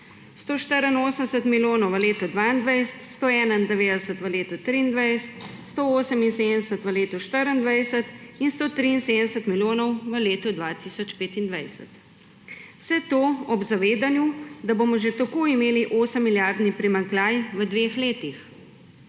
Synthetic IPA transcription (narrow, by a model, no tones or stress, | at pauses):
st̪oːʃt̪əɾənoːsənsət̪miljoːnɔwʋəleːt̪ɔd̪ʋaːind̪ʋajst̪st̪oɛːnənd̪ɛʋeːd̪əsət̪ʋəleːt̪ut̪ɾiːnd̪ʋajst̪ | st̪ooːsəminsed̪ənɛsət̪ʋəleːt̪uʃt̪əɾənd̪ʋajsət̪inst̪oːt̪ɾiːnseːd̪nɛsət̪miljoːnɔwʋəleːt̪ɔd̪ʋat̪isɔt͡ʃpeːt̪ind̪ʋajsə̰t̪ | wsɛt̪oːɔbzaʋeːd̪anjud̪abomɔʒet̪ɐkoːimeːliʔoːsəmːiljaɾd̪nipɾimaŋklajʋəd̪ʋeːxleːt̪ix